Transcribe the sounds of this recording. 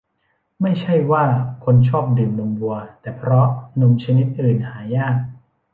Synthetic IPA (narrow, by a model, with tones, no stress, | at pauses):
ma˥˩jt͡ɕʰa˥˩jwaː˥˩kʰo˧nt͡ɕʰɔː˥˩p̚dɯː˨˩mlo˧mbu˧ɐt̪ɛː˨˩pʰɾɔ˦˥nu˧mt͡ɕʰa˧ni˦˥t̪̚ʔɯː˨˩nhaː˩˦jaː˥˩k̚